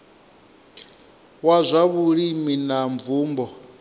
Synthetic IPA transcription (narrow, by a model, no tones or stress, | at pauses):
wazʷaβuɺiminaɱvuːmbɔ